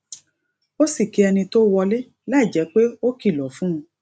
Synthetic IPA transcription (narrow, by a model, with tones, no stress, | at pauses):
o˦si˦˨ki˨˦ɛ˧nĩ˧to˦wɔ˧le˦ | la˦˨d͡ʒɛ˨˦k͡pe˦o˦ki˦˨lɔ˨˦fũ˦ũ˧